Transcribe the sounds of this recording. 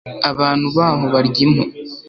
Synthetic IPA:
aβaːn̥huβaːβo̞βaɾɟimo

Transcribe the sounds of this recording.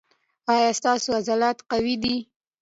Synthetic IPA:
ɑjɑst̪ɑsoazalat̪qawid̪i

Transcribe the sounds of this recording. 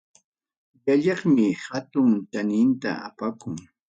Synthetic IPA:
jaʎɑχmɪhat̪ʊŋt̪anɪnt̪a̰apakʊŋ

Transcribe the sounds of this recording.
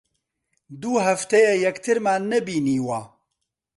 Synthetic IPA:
d̪uːɦɐft̪ɛjɛjɛkt̪ʰɨɾmaːnɛbiːniːwaː

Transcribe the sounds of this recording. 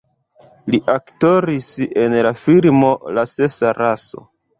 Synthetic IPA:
liʔakto̞ɾise̞nlafilmo̞lase̞saɾaso̞̰

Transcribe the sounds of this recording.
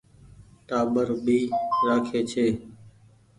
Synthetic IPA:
ʈaːɓəɾɓiːɾaːkʰeːt͡ʃʰeː

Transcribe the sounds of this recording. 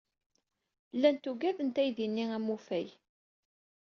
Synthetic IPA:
lːænt̪uɡæðənt̪æjðinːiæmufæj

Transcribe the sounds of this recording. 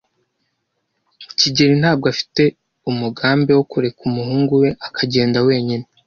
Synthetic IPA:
ciɟeɾin̥haːb̚ɡoafi̥te̞ | umuɡaːmbe̞wo̞kuɾe̞kumuhuːŋɡuwe̞ʔakʰaɟe̞ːndawe̞ːɲine

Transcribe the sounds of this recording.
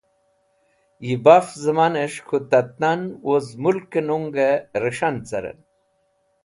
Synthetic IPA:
jibafzəmaneʂkʰut̪ɐt̪̚nanwozmulkenuŋɡeɾəʂant͡sɐ̰ɾḛn

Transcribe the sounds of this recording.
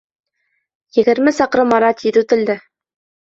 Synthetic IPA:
jɘ̆ɡɘ̆ɾmɘsɑqɾɤmːɑɾɑt̪ʲiðʉt̪ɘ̆ld̪ɘ

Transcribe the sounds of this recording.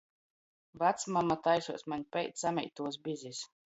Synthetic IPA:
vat̪smamat̪ajsuɔsmaɲʲpʲɛjt̪ssamʲɛ̰jt̪ːuɔsbʲizʲis

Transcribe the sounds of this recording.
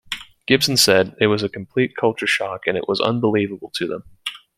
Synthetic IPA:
ɡ̥ɪb̥sn̩sɛd̪̚ðɪwʌzɨkʰm̩pʰl̥it̚kʰʌlˠt͡ʃə˞ʃɑkɨ̃nɨ̰ʔwʌzʌ̰̃nbəlivəbl̩ˠtʰɨðə̰̃m

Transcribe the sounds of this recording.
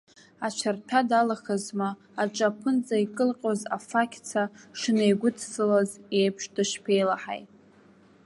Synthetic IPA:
at͡ʃʷʰartʰadalaχazmaː | ʈ͡ʂʼapʰɨnd͡zʼaikʼɨlqʲʼoza̰fakʲʰt͡sʰaʂɨnejɡʷʊdʰsɨlazejpʰʂdɨʃpʰe̞jlaħa̰jtʼ

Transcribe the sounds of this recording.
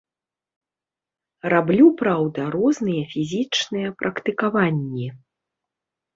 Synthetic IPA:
rablʲupɾawd̪ɐɾɔznɨjɐfʲizʲit͡ʂnɨjɐpɾʔɐkt̪ɨkavanʲːi

